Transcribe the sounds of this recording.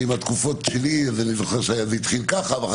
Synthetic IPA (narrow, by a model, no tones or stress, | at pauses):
imat̪kufotʃeliveanizoχeʁʃajavit̪χilkaχavχ